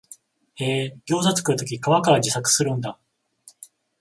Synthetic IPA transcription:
eːɡʲo̞ːzat͡sɨ̥kɯ̟ɾɯ̟t̪o̞kʲikaβakaɾad͡ʑisakɯ̟̥sɨɾɯ̟̃nd̪a

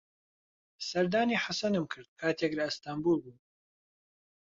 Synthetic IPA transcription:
sɐɾd̪aːniːħasɐnɨmkʰɨɾd̪̥̚kʰaːt̪ʰeklaɨst̪aːmbuːlbuː

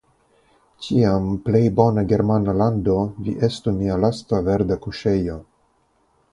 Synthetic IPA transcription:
t͡ʃiample̞jbo̞naɡe̞ɾmanalando̞vḭʔe̞stumialastave̞ɾdakuʃe̞jo̞

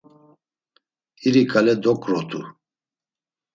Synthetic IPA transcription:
iɾikʼalɛd̪ɔkʼɾɔt̪ʰʼu

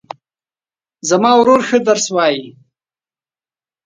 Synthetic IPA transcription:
zamɑwɾoɾxəd̪aɾswɑːji

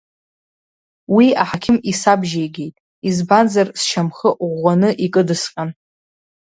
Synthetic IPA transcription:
wiaħakʲʰɪmisabʒejɡʲe̞jtʼ | izbanzarsʃʰamχəʔʁʷːanɨʔikʼɨdɨsqʲʼan

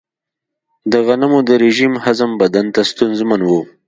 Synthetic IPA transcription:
d̪əɣanamod̪əɾeʒimhazəmbad̪ant̪ast̪unzmanwu

